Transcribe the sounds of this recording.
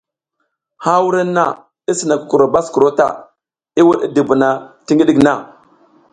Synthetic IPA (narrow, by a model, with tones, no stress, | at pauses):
ha˦wu˦ɾa˦nːa˦˨ | i˦si˨na˨ku̥˨ku˨ɾo˨ba˦sku˨ɾo˦ta̰˨ | i˦wu˦ɗi˦di˨bu˨na˨ti˦ŋɡi˦ɗi˦kna˦˨